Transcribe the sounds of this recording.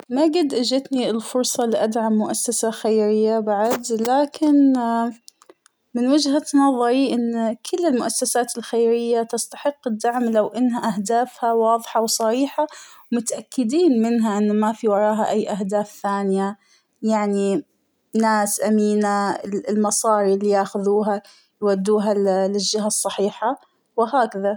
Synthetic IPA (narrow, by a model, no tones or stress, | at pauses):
maɡɪd̪ːʔad͡ʒat̪niɪlfʊɾsˤɑliʔad̪ʕamːʊʔasːasaxajɾɪjːabaʕd̪laːkʰɪn | mɪnwɪd͡ʒhat̪nɑðˤɑɾiʔɪnːkʰʊlːɪlmʊʔasːasaːt̪ɪlxajɾɪjːat̪ɪst̪ḁħɪqːɪd̪ːaʕmlawʔɪnːɦaʔahd̪aːfhawɑːðˤħɑwsˤɑɾiːħawmʊt̪ʔakːɪd̪iːnmɪnɦaʔɪnːmafiwɑɾˤɑːɦaʔajːʔaɦd̪aːfθaːnɪja | jaʕni | naːsʔamiːnalmɑsˤɑːɾilːijaːxʊðuːɦa | jwad̪ːuːɦallɪʒːɪɦasˤːɑħiːħa | wɪɦaːkaða